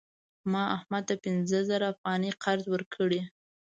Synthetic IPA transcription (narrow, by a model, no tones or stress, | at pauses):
mɑahmad̪̚t̪apɪnzəzaɾaːfɣɑniqʰaɾzwəɾkʰəɽi